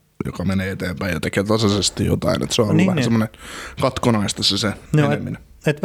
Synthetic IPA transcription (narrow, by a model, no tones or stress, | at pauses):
jo̰kɑmeneːet̪eːmpæijjɑt̪ekeːt̪ɑsɑsest̪ijo̰t̪ɑ̰inʔḛt̪seoolnːʋæhæsemːonekɑt̪konɑist̪ɑseseoemːine | et̪